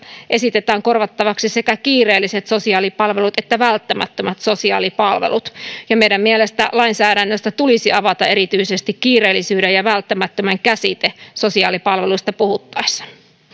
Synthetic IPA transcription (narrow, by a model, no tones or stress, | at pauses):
ʔe̞sit̪et̪æːŋko̞rʋɑt̪ːɑʋɑksisekækiːre̞ːlːiset̪so̞siɑːlipɑlʋe̞lut̪et̪ːæʋælt̪ːæmæ̰t̪ːømæt̪so̞siɑ̰ːlipɑlʋḛlut̪jɑmeidæmmielest̪æ̰lɑinsæːɾænːøst̪æt̪ulisiɑʋɑt̪ɑeɾit̪yisest̪ikkiːreːlːisyːdejɑʋælt̪ːæmæt̪ːømæŋkæsit̪eso̞siɑːlipɑlʋeluist̪ɑpuhut̪ːɑisːɑ̥